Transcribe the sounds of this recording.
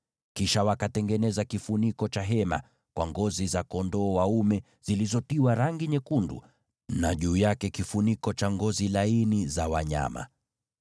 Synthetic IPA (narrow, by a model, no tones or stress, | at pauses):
kiʃawakatɛŋɡɛnɛzakifunikɔt͡ʃaɦɛma̰ | kwʔaŋɡɔzizakɔndɔːwaumɛ | z̥ilizɔtiwaɾaŋɡiɲɛkundṵ | naʄuːjakɛkifunikɔt͡ʃaŋɡɔzilainizawaɲa̰ma̰